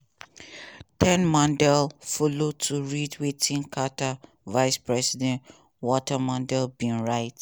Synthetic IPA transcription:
tɛ̃nmãndɛlfɔlotʰuɹidwitʰĩnkʰata | vaɪspɹɛsidɛ̃nt | wɔtamãndɛlbĩnɹaɪt

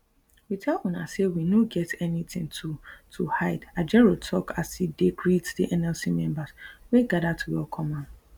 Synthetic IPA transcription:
witʰɛlɔ̃na̰sewinoɡɛtʰɛnĩtʰɪ̃ŋtʰutʰuhaɪdad͡ʒɛɹotʰɔkʰasidekʰɹitdiʔɛ̃nɛlsimɛ̃mbasweɡadatʰwiɔkʰɔ̃mãn

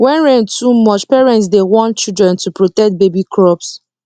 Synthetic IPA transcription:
wɛ̃nɹɛ̃ntumɔt͡ʃpɛɹɛ̃nts̬dewɔ̃nt͡ʃildɹɛ̃ntupɹotɛk̚t̚bebikʰɹɔps

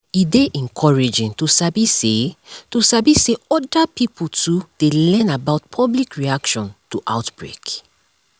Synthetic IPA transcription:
ideʔɛ̃ŋkʰɔɹɛd͡ʒĩntusabisetusabiseɔdapipʰutud̥elɛ̃nabaʊtpʰɔblikɹiakʃɔ̃ntuʔa̰ʊtb̥ɹḛk

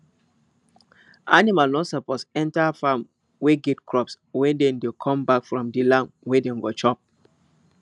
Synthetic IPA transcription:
animalnɔsɔposɛ̃ntafam | weɡetkʰɹɔps | wɛdɛ̃ndekʰɔ̃mbakfɹɔ̃mdilãmwɛdɛ̃ɡɔt͡ʃɔp̚

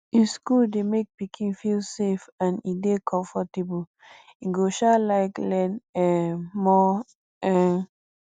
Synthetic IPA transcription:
ĩskuldemek̚pikʰĩnfilsefãnidekʰɔ̃ɱfɔtebu | ĩɡoʃalaɪklɛ̃nɛmɔ | ɛ

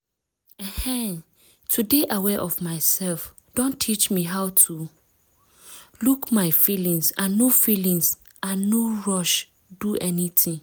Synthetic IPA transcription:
ɛ̃hɛ̃ | tʰudeʔawɛʔɔvmaɪsɛlf | d̥õntʰit͡ʃmiɦaʊtʰu | lukmaɪfilĩŋsãnːofilĩŋs | ʔãnːoɹɔʃ | duʔɛnitʰĩŋ

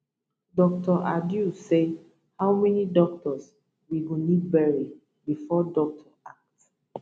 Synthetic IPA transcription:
dɔk̚tʰɔʔadjuse | hawmɛnidɔk̚tɔs | wiɡonidbɛɹi | bifɔdɔk̚tʰɔak̚t

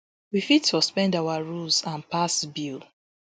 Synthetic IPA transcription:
wifitsɔspɛ̃ndawaɹulsãnpasbil

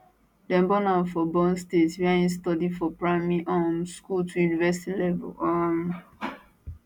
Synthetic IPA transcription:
dɛ̃mbɔnafɔbɔ̃nstetwiaĩstɔdifɔpɹamɛʔɔmskultʰujunivɛstilɛvɛ̰lɔm

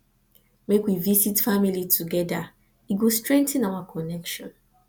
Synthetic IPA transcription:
mekwivisitfamilitʰuɡɛda | iɡostɹɛ̃ntĩnawakʰɔnɛkʃɔ̃n

